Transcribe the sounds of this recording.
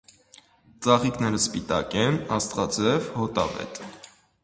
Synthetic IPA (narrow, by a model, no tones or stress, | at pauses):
t͡sɑχiknɛɾəspit̪ɑ̰kɛnɑst̪ʁɑt͡sɛvhɔt̪ɑ̰vɛ̰t̪